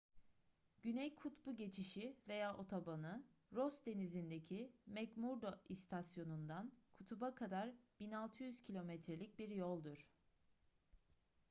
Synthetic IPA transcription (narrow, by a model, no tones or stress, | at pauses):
ɟ̥ynɛjkʰut̪buɟe̞t͡ʃʰiʃive̞jaːʔo̞t̪ʰobanɯɾosd̪e̞nizind̪ecʰimɛcmuɾd̪oʔist̪ʰasjo̞nund̪ankʰut̪ʰubakʰad̪aɾb̥inalˠt̪ʰɯjyz̥cʰilʲo̞mɛt̪ɾelʲic̚biɾjolˠd̪uɾ̥